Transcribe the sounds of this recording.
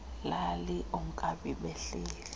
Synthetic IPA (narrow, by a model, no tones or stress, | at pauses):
laliʔuŋ̩kʼaɓiɓɛɬeːlɛ